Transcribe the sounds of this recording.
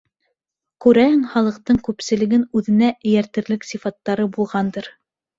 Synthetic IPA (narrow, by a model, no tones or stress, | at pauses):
kʉɾæhɘŋχɑlˠɤ̆q̚t̪ɤɴkʉpsɘ̆lɘ̆ɡɘnʉðɘ̆næɘ̆jæɾt̪ɘ̆ɾlɘksifɑt̪ːɑɾɤbulˠʁɑnd̪ɤɾ